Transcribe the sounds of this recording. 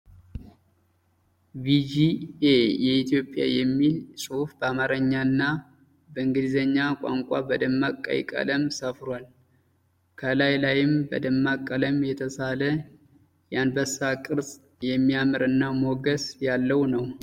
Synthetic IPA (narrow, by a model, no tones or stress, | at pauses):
vid͡ʒiejɛit̪ʰjo̞pʼːja̰jɛmːilsʼuufbəamaɾəɲːaɨnːa | bəɨŋɡɨd̪izəɲːakʼa̰ŋkʷʼa̰bəd̪əmːakʼːə̰jkʼə̰ləmsəfɾwal | kʰəlajlajɪmbə̰d̪əmːakʼːələmjɛt̪ʰəsalə | jɛanbəsakʼɨɾsʼ | jɛmːijamɨɾɨnːamo̞ɡəsjalːəwnəw